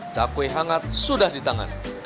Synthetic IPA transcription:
d͡zakweɦaŋat̪̚sudahdit̪aŋa̰n

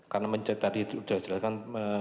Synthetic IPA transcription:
karnaməɲt͡ʃət̪adiud̥ad͡ʒəlaskanə

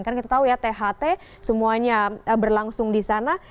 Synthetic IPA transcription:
nkankit̪at̪aujat̪eɦat̪e | səmuaɲaəbərlaŋsʊŋdisana

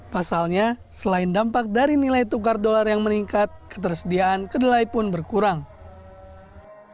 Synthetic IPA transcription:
pasalɲasəlaɪndampak̚daɾinilajt̪ukardolarjaŋməniŋkat̪̚kə̥t̪ərsədiaʔːnkədəlajpʊnbərkuɾaŋ

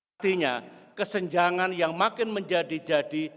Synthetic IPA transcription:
t̪iɲa̰kəsəɲd͡ʒaŋanjaŋmakɪnməɲd͡ʒadid͡ʒadi

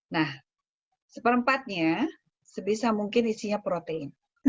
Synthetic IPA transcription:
nah | səpəɾəmpat̪̚ɲa | səbisamuŋkɪnisiɲapɾot̪eɪn

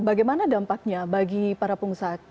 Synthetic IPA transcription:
baɡajmanadampak̚ɲabaɡipaɾapuŋsat̪̚

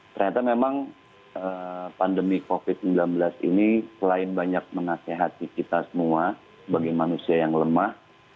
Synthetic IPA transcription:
t̪ərɲat̪amemaŋ | əpandəmikofɪt̪̚səmblanbəlasḭnisəlaɪnbaɲak̚məŋaseɦat̪ikit̪asəmua | baɡimanusiajaŋləmah

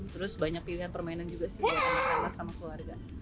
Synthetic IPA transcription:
t̪əɾʊsbaɲak̚piliɦanpərmainand͡ʒuɡasɪhaaaaasamakəluarɡa

